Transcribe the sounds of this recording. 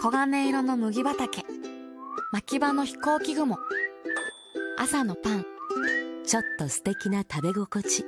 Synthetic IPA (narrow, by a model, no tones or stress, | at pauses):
ko̞ɡane̞ːɾo̞no̞mɯ̟ɡʲibat̪ake̞ | makʲibano̞çi̥ko̞ːkʲiɡɯ̟mo̞ | a̰sano̞pãŋ | t͡ɕo̞t̪ːo̞sɨ̥t̪e̞kʲinat̪abe̞ɡo̞ko̞t͡ɕi